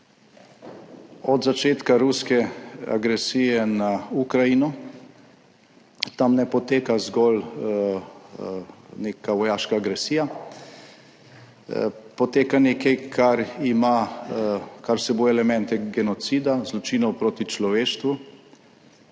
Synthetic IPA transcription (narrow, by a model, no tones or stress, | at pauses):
ɔd̪zat͡ʃeːt̪kaɾuskɛa̰ɡɾɛsijɛnaukɾajinɔ | t̪amnɛpɔt̪eːkazɡɔl | neːkaʋɔjaːʃkaːɡɾɛsiːja | pɔt̪eːkanekɛjkʰaɾima | kaɾwsɛboːjɛlɛmɛ̃nt̪ɛɡɛnɔt̪sid̪azlɔt͡ʃiːnɔwpɾoːt̪it͡ʃlɔʋeːʃt̪ʋu